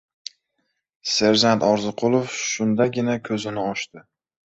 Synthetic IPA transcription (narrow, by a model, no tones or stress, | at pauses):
seɾd͡ʒant̪ɒɾzɨqʰʊlˠofʃʊnd̪aɡʲɪnakʲʰɵzɪnɪɒʃt̪ɪ